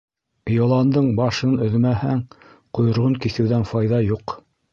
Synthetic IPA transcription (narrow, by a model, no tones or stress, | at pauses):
jolˠɑnd̪ɤɴbɑʃɤnɵ̆ðmæhæŋ | qŏjŏɾʁɤŋkiθɘ̆wðænfɑjðɑjuq